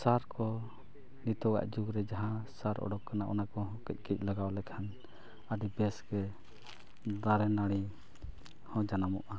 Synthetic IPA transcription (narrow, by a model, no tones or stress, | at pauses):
saɾkɔ | nit̪ɔɡa̰ʔd͡ʒuɡɾɛd͡ʒaɦãsaɾʔɔ̰ɖɔkːanaʔɔ̰nakɔɦɔ̃kɛc̚ˀkɛc̚ˀlaɡawlɛkʰan | aɖibɛsɡɛ | d̪aɾɛnaɽi | hɔ̃d͡ʒanamɔʔa